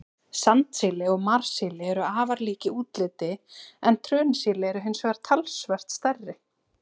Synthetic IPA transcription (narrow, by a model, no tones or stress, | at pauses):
sant̪sɪːlɪɔɣmaɾ̥sɪlɪɛɾʏaːvaɾliːcɪuːt̪lɪt̪ɪɛnt̪ʰɾœːnasiːlɪɛɾʏɦʏnsaɾ̥t̪ʰalsvɛr̥t̪st̪ɛrːɪ